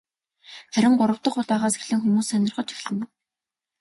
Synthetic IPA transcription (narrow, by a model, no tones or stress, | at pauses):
χæɾʲɪ̆ŋɢʊɾə̆w̥t̪ə̆χʊt̪æːʁaːsexɮɘ̆ŋxumuːsːænʲɪrχə̆t͡ɕʰi̥xʲɮɘ̆n